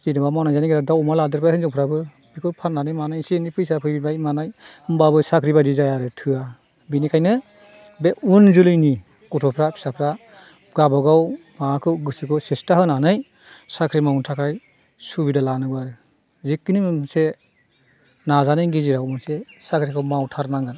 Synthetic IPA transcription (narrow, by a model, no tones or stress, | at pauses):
zidɯbamanajzaniɡiɾadawɔmaladɯɾpajkʰɯŋzɔŋpʰɾabɯ | bikʰɯpʰaɾnanɯjmanajsinipʰɯjsapʰɯjbibajmanaj | ɯmbabɯsakʰɾibadizajaɾɯtʰɯa | binikʰajnɯ | beunzɯlɯjni | kɔtʰɔpʰɾapʰi̥sapʰɾa | ɡabɔɡaw | makʰɯwɡɯsɯkʰɔsestaɦɯnanɯj | sakʰɾimawuntʰakʰaj | subidalanɯɡaɾɯ | zek̚tinimɯmse | nazanɯjɡiziɾaɔmɯnsesakʰɾikʰɯwmawtʰaɾnaŋɯn